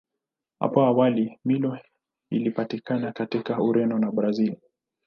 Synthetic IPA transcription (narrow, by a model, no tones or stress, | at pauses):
ha̰pɔawalimilɔ | ḭlipatikanakatikauɾɛnɔnaɓɾazili